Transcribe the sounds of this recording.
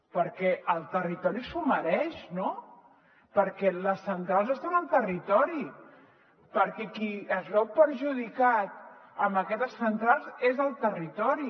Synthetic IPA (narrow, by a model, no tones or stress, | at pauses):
pəɾkɛʔəlˠt̪ərit̪ɔɾisuməɾɛʃno | pəɾkɛləsːənt̪ɾalˠzəst̪anəlˠt̪ərit̪ɔɾi | pəɾkɛkiəzlɛwpəɾʒuðikat̪̚əmbəkɛt̪əsːənt̪ɾalˠzezəlˠt̪ərit̪ɔɾi